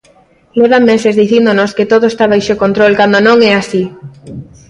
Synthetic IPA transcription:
leβamesezðiθind̪onosket̪oðoest̪aβ̞ajʃokont̪ɾolkand̪onõŋɛasi

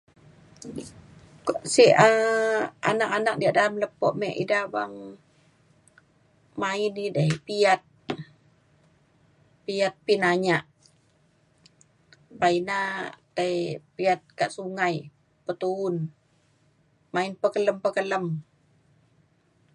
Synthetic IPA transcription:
ksiə | a̰nakanak̚diaʔdaamləpɔʔmɛʔḭdabaŋ | mainidəhpiat̪̚ | piat̪̚pinaɲaʔ | painat̪aipiat̪̚kaʔsuŋaj | pət̪uʊn | mainpəkələmpəkələm

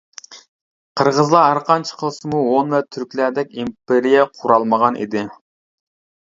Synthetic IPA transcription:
qʰəɾʁəzlˠɑɦæɾqʰɑnt͡ʃʰɪ̥qʰəlˠɨsɨmuwonvɛt̪ʰyɾkʲlæd̪ɛk̚ʲimpeɾijɛqʰuɾɑlˠməʁɑnʔḭd̪ɪ

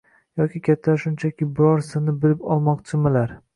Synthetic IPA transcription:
jɒkʲɪkʲʰat̪ʰːaʃʊnt͡ʃʰakʲɪbɪɾɒɾsɨnɪbɪlɪpɒlˠmɒqt͡ʃʰɪmɪlaɾ

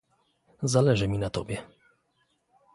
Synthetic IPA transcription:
zalɛʐɘmʲinat̪ɔbʲjɛ

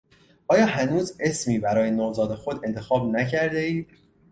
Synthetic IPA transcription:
ʔɒːjɒːhænuːze̞smiːbæɾɒːje̞noːzɒːd̪e̞xod̪e̞nt̪ʰe̞xɒːbnæcʰæɾd̪e̞iː

